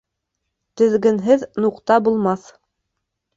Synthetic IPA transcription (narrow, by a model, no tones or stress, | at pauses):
t̪ɵ̆ðɡɘ̆nɦɘðnuqt̪ɑbulˠmɑθ